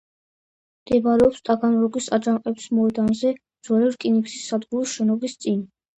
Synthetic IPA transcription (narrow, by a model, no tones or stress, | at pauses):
md̪̥ɛbɾɛɔpst̪ʼaɡanɾɔɡisad͡ʒanqʼɛpsmɔɛd̪anzɛ | d̪z̥waliɾkʼiniksisːad̪ɡuɾiʃɛnɔbist̪sʼin